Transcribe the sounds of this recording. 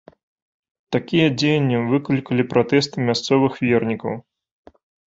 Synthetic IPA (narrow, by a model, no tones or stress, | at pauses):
t̪akʲijɐd͡zʲejɐnʲːivɨklʲikɐlʲipɾat̪ɛst̪ɨmʲast̪sɔvɨxvʲernʲikɐ̰w